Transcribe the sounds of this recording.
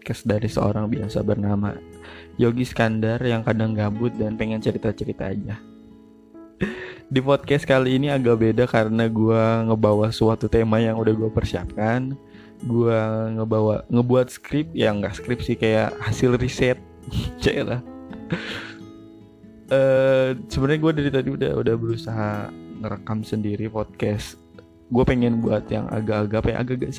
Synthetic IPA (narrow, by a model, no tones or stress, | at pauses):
kɛsdaɾisəo̰ɾaŋbiasa̰bərnama̰joɡiskandarjaŋkadaŋɡabʊt̪̚danpeŋɛnt͡ʃəɾit̪at͡ʃəɾit̪a̰ːd͡ʒa | dipɔt̪̚kɛskaliːniaɡabedakaɾənaɡuaŋəbawaswat̪ut̪emajaŋudahɡuapərsia̰p̚kan | ɡuaŋəbawaŋəbuat̪̚sə̥kɾɪp̚jaŋɡaʔsə̥kɾɪp̚sɪhkajaʔhasɪlrisɛt̪̚ | t͡ʃailah | əsəbənaɲaɡuadaɾit̪adiuda̰ṵdahbəɾusaɦaŋəɾəkamsəndiɾipɔt̪̚kɛs | ɡuapeŋɛnbuat̪ja̰ŋa̰ɡaːɡapaja̰ʔa̰ɡaʔɡaʔs